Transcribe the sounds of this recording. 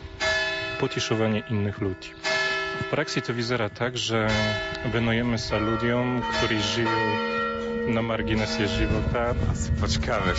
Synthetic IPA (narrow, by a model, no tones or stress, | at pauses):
pɔt͡ɕɛʂɔvaɲɛʔinːɘxlud͡ʑifpɾʔaksʲit̪ɔvʲizɛɾat̪aɡʐɛvɛnujɛmɘsalud̪ʲjɔmkt̪uɾɛʐɘwɔ | namaɾɡʲinɛsʲjɛʐɘvɔt̪apɔt͡ɕɛkavɛ